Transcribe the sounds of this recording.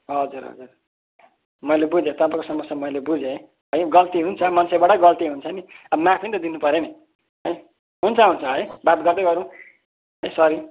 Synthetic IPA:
ɦʌd͡zuɾɦʌ̰d͡zur | mʌilebud͡zẽt̪ʌpãkosʌmʌsjamʌilebud͡zeɦj | ɦʌjɡʌlt̪iɦunt͡sʰʌmʌnsebaʈʌɡʌlt̪iɦunt͡sʰʌniʌbmapʰint̪ʌd̪inupʌɾene | ɦʌj | ɦunt͡sʰʌɦunt͡sʰʌɦʌjbat̪̚ɡʌrd̪ʌɡʌɾũ | ɦʌjsʌɾi

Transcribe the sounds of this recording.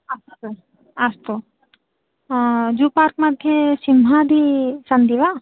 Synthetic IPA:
ɐst̪o | ɐst̪o | d͡ʒupaːɾk̚mad̪ʱjesimɦad̪ʱisɐnd̪iʋa

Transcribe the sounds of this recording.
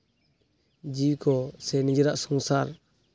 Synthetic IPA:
d͡ʒikɔsɛnid͡ʒɛɾaʔsɔŋsaɾ

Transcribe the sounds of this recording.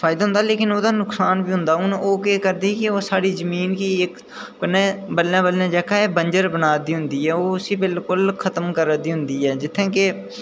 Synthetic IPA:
fʰaːɪd̪aːɦʊ̃nd̪aːleːkɪnoːd̪aːnʊksaːnbiːɦʊ̃nd̪aːʊnoːkeːkəɾd̪iːkɪoːsaːɽiːzəmiːnkiːek | kənẽːbəlːãːbəlːãːd͡ʒɛːkaeːbənd͡ʒəɾbənaːd̪iːɦʊ̃nd̪iːɦɛːoːʊsiːbɪlkʊlkʰət̪əmkəɾd̪iːɦʊ̃nd̪iːɦɛːd͡ʒɪt̪ʰːẽːke

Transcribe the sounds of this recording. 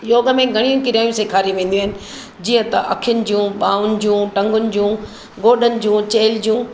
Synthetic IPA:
joːɡə̆mẽɡʱɐɽ̃ijũkɪɾijaːjũseːkʰaːɾĩʋẽːnd̪iaːɦɪnɪ̆ | d͡ʑiːə̃t̪ɐʔɐkʰɪjʊnɪ̆d͡ʑũɓaːʊnɪ̆d͡ʑũːʈɐ̃ŋɡʊnɪ̆d͡ʑũː | ɡoːɗənɪ̆d͡ʑũːt͡ɕeːld͡ʑũː

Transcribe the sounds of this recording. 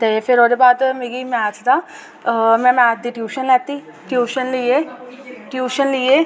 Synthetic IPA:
t̪eːpʰɪɾoːd̪eːbaːd̪meːɡiːmɛ̃aːt͡ʃd̪aː | mɛ̃ːmɛ̃d̪iːʈjuːʃənlɛːt̪iː | ʈjuːʃənlieːʈjuːʃənliːeː

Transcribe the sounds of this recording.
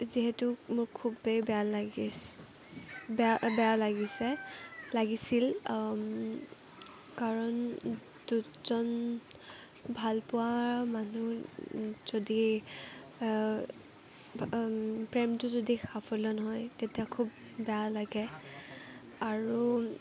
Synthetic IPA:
ziɦɛtʊmʊɹkʰubejbɛalɡ | abɛjalaɡisɛlaɡisil | kaɹɔn | d̥u | z̥ɔn | bʱalpʊwamanu | z̥odi | pɹɛmtʊzodixapʰɔlɔnɔɦɔjtetiakʰubː | ɛjalaɡɛ | aɹu

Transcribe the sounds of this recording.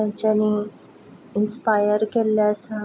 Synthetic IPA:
ãɲt͡ɕani | inspajəɾkeljasa

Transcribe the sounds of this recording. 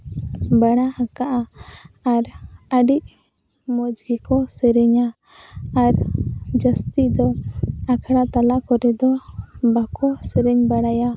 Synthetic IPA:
baɽahakaʔaaɾəɖiʔ | mɔd͡ʒɡikɔsɛɾɛɲa | aɾd͡ʒəst̪id̪ɔakʰaɽat̪alaʔkɔɾɛd̪ɔbakɔsɛɾɛɲbaɽaja

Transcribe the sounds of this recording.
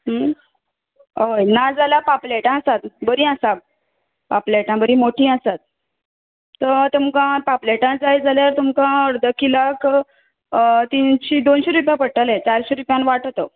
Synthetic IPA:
ɦə | ojnad͡zalapapleʈãəsat̪bəɾĩːasab̚ | papleʈãbəɾiːmoʈʰĩːasat̪̚ | tːət̪umkãpapleʈãd͡zajd͡zaljaɾt̪umkãəɾd̪əkilak | t̪inɕiːd̪onɕiɾupjãpəɽʈəlẽt͡ɕaɾɕiɾupjãnʋaʈt̪ə

